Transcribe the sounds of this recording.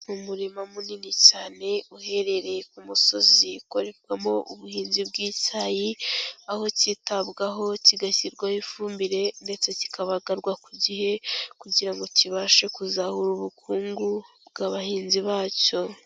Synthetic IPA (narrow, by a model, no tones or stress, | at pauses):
mumuɾimamuninicaːne̞uhe̞ɾe̞ɾe̞kumuso̞ziuko̞ɾe̞kwamo̞ʔuβuhiːnzibɡiːtajiaho̞citabɡaɦo̞ciɡaçiɾɡwahifuːmbiɾe̞nde̞t͡seci̥kaβaɡaɾɡwakuɟihe̞kuɟiɾaŋɡo̞ciβaːʃekuzahuɾuβukʰuːŋɡubɡaβahiːnziβaːco̞